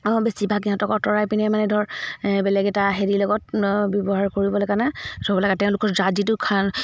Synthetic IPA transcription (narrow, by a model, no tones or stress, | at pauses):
besibʱakiɦɔ̃tɔkɔɹtɔɹajpinɛmanɛdʱɔɹbɛlɛɡɛtaɦeɹilɔɡɔt̚bjɔbɔɦaɹkoɹibɔlɔkanazɔbɔlakatɛʊ̃lʊkɔɹzad͡ʒitʊkʰan